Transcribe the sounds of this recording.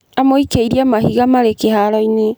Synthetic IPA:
amoikeiɾiamaɦiɣamaɾekehaɾɔine

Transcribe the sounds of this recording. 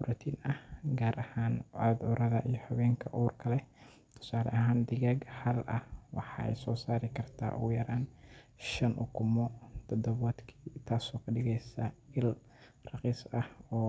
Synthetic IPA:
ʊɾʔɐt̪ʰiːnɐhɡaːɾʔɐhaːnʕad̪ʊɾɐðɐʔijɞhɐβɛːŋkʰɐʔuːrkʰɐlɛ | t̪ʰʊ̥saːlɐ̰ʔɐɦaːnd̪ɪɣaːɡhɐlʔɐhwɑħɑːɛ̰jsɔːsaːɾɪkʰɐrt̪ʰa̰ːʔṵjɐɾaːnʃɐnʔʊ̰kʰʊmɔt̪ʰɔd̪ɔβɔːd̪kʰiːt̪ʰaːsɔːkʰɐɗɪɣɛjsɐɪl | rɑqiːsɐhɔː

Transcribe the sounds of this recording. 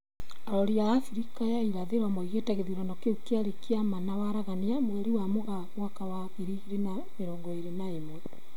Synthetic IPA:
aɾɔɾiaɣafiɾikajaiɾaðeɾwamɔiɣetɛɣeðiɾɔnɔkeukeaɾekeamanawaɾaɣaniamwɛɾiwamoɣaβwakawaɣeɾiɣiɾena | meɾɔːŋɡɔeɾenaemwɛ

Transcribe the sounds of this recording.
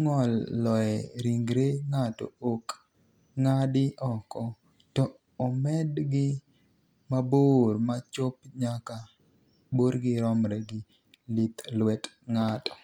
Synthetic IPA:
ŋɔlːɔɛɾiŋɡɾeŋatɔ̰ok | ŋadɪʔɔkɔ | tɔː | mɛdɡɪ | mabormat͡ʃop̚ɲaka | boɾɡɪɾɔmɾɛɡɪ | lit̪lwɛt | ŋatɔ̥

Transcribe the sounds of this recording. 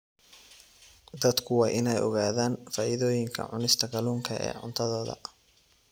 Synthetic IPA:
d̪ɐd̪kʰʊwɑːʔɪnɛjʔɔ̰ɣaːðaːnfaːʔɪðɔːjɪŋkʰɐ̰ʕʊnɪst̪ʰɐɡɐluːŋkʰɐʔɛ̰ːʕʊ̰nt̪ʰɐðɔːðɐ̰

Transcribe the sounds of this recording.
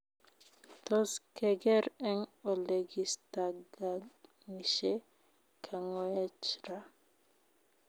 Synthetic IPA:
t̪ɔskɛɡɛɾɛŋɔleɡistaɡa | miʃɛ | kʰaŋɔɛt͡ʃɾa

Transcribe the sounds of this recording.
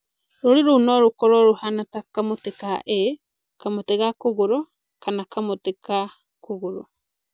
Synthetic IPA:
ɾoɾiɾonɔɾokɔɾɔɾohanatakamotekaʔe | kamoteɣakoɣoɾɔ | kanakamoteka | koɣoɾɔ

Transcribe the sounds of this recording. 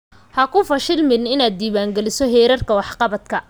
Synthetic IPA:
hɐkʰʊfɐʃɪlmɪnɪnaːd̪̚ːiːβaːŋɡɛlɪsɔɦɛːɾɐrkʰɐwɑħqɑβɐd̪kʰɐ

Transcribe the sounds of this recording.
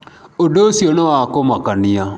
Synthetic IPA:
odosionɔwakomakanija

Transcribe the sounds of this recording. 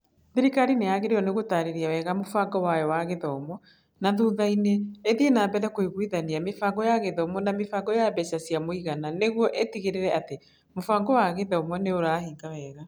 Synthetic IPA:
ðeɾikaɾinejaɣeɾeɔneɣotaɾeɾiawɛɣamofaɡɔwajɔwaɣeðɔmɔ | naðuðaineːðienaːbɛðɛkoiɣwiðaniamefaɡɔjaɣeðɔmɔnamefaɡɔjabɛɕasjamoiɣananeɣwɔʔetiɣeɾeɾɛate | mofaŋɡɔwaɣeðɔmɔneoɾaːhiːɡawɛːɣa

